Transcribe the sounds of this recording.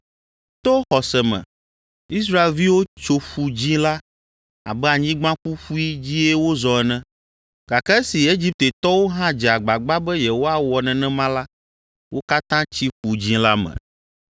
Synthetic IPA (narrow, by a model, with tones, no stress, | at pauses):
t̪o˦xɔ˨sɛ˨mɛ̰̃˨ | i˦s̬ɾa˦e˨lvi˦wo˦t͡ʃo˦ɸu˨d͡ʑĩ˦la˦ | a̰˨bɛ˦a˨ɲĩ˦ɡ͡bã˦ɸu˦ɸu˦i˦d͡ʑi˦e˦wo˦zɔ˨ɛ˨nɛ̃˦ | ɡ̥a˨kɛ˦si˨e˦d͡ʑi˦p̚t̪e˨t̪ɔ˦wo˦ɦã˦d͡ʒɛ˨a˨ɡ͡ba˨ɡ͡ba˦bɛ˦jɛ˨wo˦a˦wɔ˨nɛ̃˨nɛ̃˦mã˦la˦ | wo˦ka˦t̪ã˦t͡ɕi˦ɸu˨d͡ʑĩ˦la˦mɛ̰̃˨